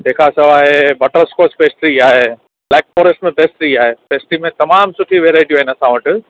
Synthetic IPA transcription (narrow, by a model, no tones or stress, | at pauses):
d̪eːkʰasɐʋaːɦebɐʈəɾskoːspeːsʈɾiaːɦe | blɛːk̚foːɾesʈmẽpeːsʈ̪ɾiaːɦepeːsʈimẽt̪ɐmaːmsʊʈʰiʋeːɾaːɪʈiaːɦɪ̃nɐsãʋɐʈ